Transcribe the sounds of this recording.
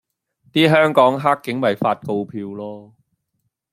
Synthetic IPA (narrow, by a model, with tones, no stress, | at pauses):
t̪iː˥ɦœː˥ŋkɔː˨˥ŋɦaː˥kːɪ˨˥ŋmɐ˨˩jfaː˧t̚ko˧wpʰiː˧wlɔː˥